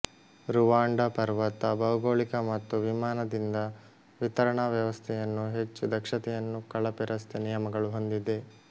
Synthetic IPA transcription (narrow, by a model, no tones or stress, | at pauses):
ɾuʋaːɳɖɐpɐɾʋɐt̪ːɐbɐwuɡoːɭikɐmɐt̪ːuʋimaːnɐd̪ind̪ɐ | ʋit̪ɐɾɐɳɐʋjɐʋɐst̪ʰɛjɐnːuɦet͡ʃːud̪ɐkʂɐt̪ɛjɐnːukɐɭɐpiɾɐst̪ʰenijɐmɐɡɐɭuɦo̞nd̪id̪e̞